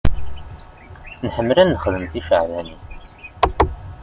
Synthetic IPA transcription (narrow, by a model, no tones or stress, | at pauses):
nħəmːlænːəχəðəmθifəʕlæni